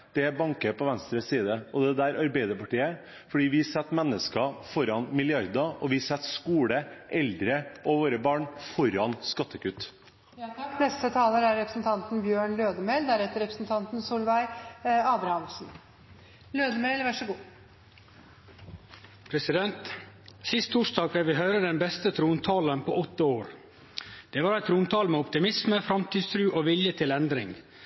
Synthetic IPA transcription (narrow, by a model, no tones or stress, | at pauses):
d̪̥ɛbɑŋkəpɔʋɛnst̪ɾəsːiːd̪əɔd̪ɛd̪æːɾɑɾbɛɪd̪əpɑʈiːə | fɔɖiːʋɪsɛt̪ːmɛnːəskɑfɔɾɑnmɪlɪɑɾd̪ɑʔɔʋɪsɛt̪ːskuːɽəʔɛld̪ɾəʔɔʋoːɾəbɑːɳfɔɾɑnskɑt̪ːəkʉt̪ː | nɛst̪ət̪ʰɑːləɾæɾɛpɾəsnt̪ʰɑnt̪n̩bjøːɳløːd̪əmeɪld̪æɾɛt̪ːəɾɛpɾəsnt̪ʰɑnt̪nsuːlʋæɪɑːd̪ɾhɑnsn | løːd̪əmeɪlʋæʂəɡuː | pʰɾɛsɪd̪ɛnt̪sɪst̪ʰːuʂd̪ɑːɡfɛʋɪɦœʏɾəd̪ɛnbɛst̪ət̪ʰɾuːnt̪ʰɑːlənpʰo̰ɔt̪ːəoːɾ | d̪̥ɛːʋɑːɾæɪt̪ʰɾuːnt̪ʰɑːlmɛɔpt̪ɪmɪsməfɾɑmt̪ʰiːd̪st̪ʰɾʉːʔoːʋɪljət̪ʰɪlɛnd̪ɾɪŋ